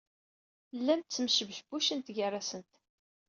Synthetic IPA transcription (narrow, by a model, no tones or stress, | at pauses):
lːæmt̪t͡sːəmʃəvəʃbuʃənt̪ɡərˤːasənt̪